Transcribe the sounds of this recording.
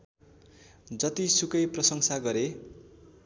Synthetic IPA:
d͡zʌt̪isukʌjprʌsʌŋsaɡʌɾe

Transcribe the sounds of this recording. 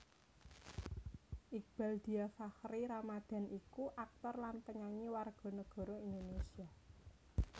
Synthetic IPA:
ʔik̚b̥a̤ld̪̥i̤afahɾiɾamad̪̥a̤nʔikuʔak̚t̪ɔrlanpəɲaɲiwarɡ̥ɔ̤nəɡ̥ɔ̤ɾɔind̪onesia

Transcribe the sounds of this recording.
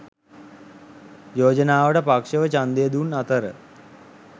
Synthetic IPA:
joːd͡ʒənaːʋəʈəpakʂəʋət͡ʃand̪ejəd̪unat̪əɾə

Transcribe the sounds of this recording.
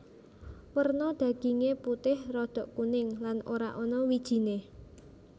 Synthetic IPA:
wərnɔd̪̥ä̤ɡ̥i̤ŋeput̪ɪhrɔd̪̥ɔ̤ʔkunɪŋlanoɾa̰ʔɔnɔwid̥ʒ̥i̤ne

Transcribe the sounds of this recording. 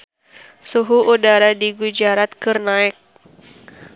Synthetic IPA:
suɦuʔudaɾadiɡud͡ʒaɾat̪̚kɨrnaɛk̚

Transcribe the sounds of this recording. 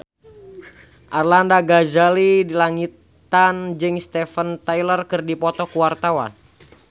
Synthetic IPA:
ʔarlandaɡazalidilaŋit̪ | and͡ʒɨŋst̪ɛfənt̪ajlərkɨrdipɔt̪ɔkuwart̪awa̰n

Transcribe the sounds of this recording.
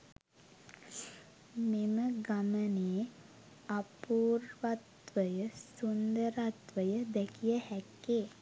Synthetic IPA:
meməɡaməneː | apuːrʋat̪ʋəjəsund̪əɾat̪ʋəjəd̪ɛkijəhækːeː

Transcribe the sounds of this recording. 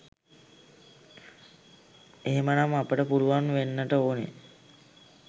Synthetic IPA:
eɦemənamapəʈəpuɾuʋanʋenːəʈəoːnḛ

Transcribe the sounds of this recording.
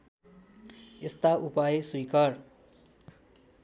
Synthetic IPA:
est̪aʔupajeswikʌr

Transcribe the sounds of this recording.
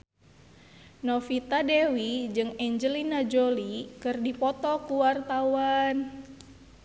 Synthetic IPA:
nɔfit̪adewid͡ʒɨŋɛɲd͡ʒəlinad͡ʒolikɨrdipɔt̪ɔkuwart̪awan

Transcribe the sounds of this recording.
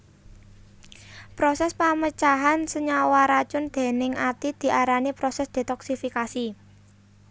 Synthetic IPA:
pɾosɛspamət͡ʃaɦansəɲawaɾḁt͡ʃʊnd̪̥e̤nɪŋʔat̪id̪̥i̤aɾanipɾɔsɛsd̪̥e̤t̪ɔksifikasi

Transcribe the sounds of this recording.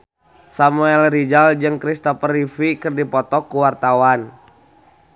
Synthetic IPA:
samuɛlrid͡ʒald͡ʒɨŋkɾist̪ɔfərifikɨrdipɔt̪ɔkːuwart̪awan

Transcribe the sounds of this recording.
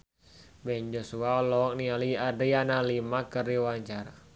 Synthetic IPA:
bɛnd͡ʒɔsuaɔlɔk̚nialiadɾianalimakəɾiwaɲt͡ʃaɾa

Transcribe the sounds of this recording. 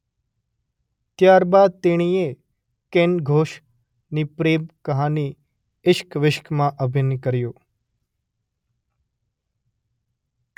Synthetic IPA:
t̪jaːɾbad̪̚t̪eɽ̃ie | kenɡʱoːʃ | nipɾeːmkəɦani | ɪʃkʋɪʃkmãʔəbʱɪnkəɾjoː

